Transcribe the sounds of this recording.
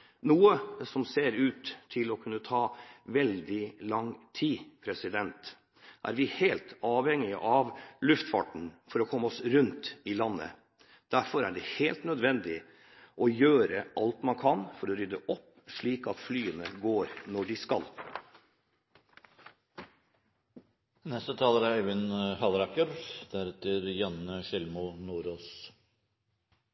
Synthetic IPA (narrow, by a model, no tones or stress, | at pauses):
nuːəsɔmseːɾʉːt̪ʰːɪlɔkʰʉnːət̪ʰɑːʋɛld̪ɪlɑŋt̪ʰiːpʰɾɛsɪd̪ɛnt̪ | ʔæ̰ːɾʋɪheːlt̪ɑːʋhɛŋɪəʔɑʋlʉft̪fɑ̰ʈɳ̩fɔɾɔkʰɔmːɔsɾʉnt̪ɪlɑnːə̰ | d̪̥æɾfɔɾæɖɛheːlt̪nœd̪ʋɛnd̪ɪ | ʔɔjøːɾəʔɑlt̪mɑnkʰɑnfɔɾɔɾʏd̪əʔɔpː | ʂɭiːkɑt̪flyːənəɡoːɾnɔɖɪskɑ̰l | nɛst̪ət̪ʰɑːləɾæɾæʋɪnhɑlɾɑkəɾd̪̥æɾɛt̪ːəɾjɑnːəʃɪlmʊnuːɾoːs